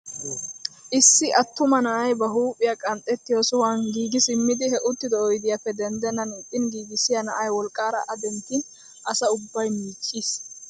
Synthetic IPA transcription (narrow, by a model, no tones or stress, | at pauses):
ʔɪsːɪʔɐt̪ːʊmɐnɐʔɐjbɐɦuːpʼːɪjakʼɐnt̪ʼːɛt̪ːɪjoːsʊwanɡiːɡɪsɪmːɪd̪ɪhɛʔʊt̪ːɪd̪ɔɔjd̪ɪjɐpːɛd̪ɛnd̪ɛnːɐnɪt̪ʼːɪnɡiːɡɪsɪjɐnɐʔɐjwɔlkʼːaːɾɐʔɐd̪ɛnt̪ːiːn | ʔɐsɐʊbːɐjmiːt͡ʃʼːiːs